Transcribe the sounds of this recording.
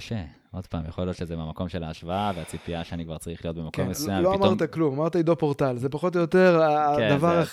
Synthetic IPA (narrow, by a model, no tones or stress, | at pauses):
kaʃe | o̞d̪̥pa̰ːmjaχolijo̞tʃezemamako̞mʃelaːʃvaaveat͡sipiaʃeanikvaʁt͡saʁiχlijo̞t̪bemakomːesjamloamʁt̪aklumamaʁt̪aid̪o̞po̞ʁt̪alze̞paχo̞t̪̬ojot̪e̞ʁaed̪avaʁa